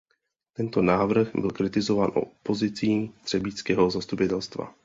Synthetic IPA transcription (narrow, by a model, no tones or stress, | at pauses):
t̪ɛnt̪onaːvr̩ɣbɪlkɾɪt̪ɪzovaːnʔo̰po̞zɪt͡siːd̪r̥ɛbiːt͡skɛːɦo̞zast̪upɪt̪ɛlst̪va̰